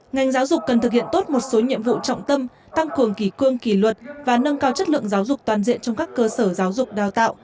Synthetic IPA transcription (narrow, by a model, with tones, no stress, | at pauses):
ŋa˨˩jŋzaː˨˦wzʊ˨˩k͡p̚kə˨˩nt̪ʰɨ˨˩k̚hḭ˧˨ənt̪o˦˥t̚mo˨˩t̚so˨˦ɲḭ˧əmvṵ˧˨t͡ɕɔ̰˧˨wŋ͡mt̪ə˧m | t̪a˧ŋkɨ˨˩əŋki˧˩kɨ˧əŋki˧˩lwə˨˩t̚vaː˨˩nə˧ŋkaː˧wt͡ɕə˦˥t̚lɨ̰˧˨əŋzaː˨˦wzʊ˨˩k͡p̚t̪waː˨˩nzḭ˧˨ənt͡ɕɔ˧wŋ͡mkaː˦˥kːəː˧səː˧˩zaː˨˦wzʊ˨˩k͡p̚ɗaː˨˩wt̪a̰ː˧˨wʔ